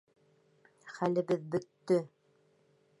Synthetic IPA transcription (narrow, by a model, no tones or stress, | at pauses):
χælɘ̆βɘðbɵ̆t̪ːɵ